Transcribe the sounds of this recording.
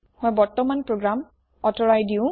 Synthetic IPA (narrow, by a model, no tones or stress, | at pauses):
hɔjbɔɹtɔmanpɹoɡɹam | ɔtɔɹajdiʊ̃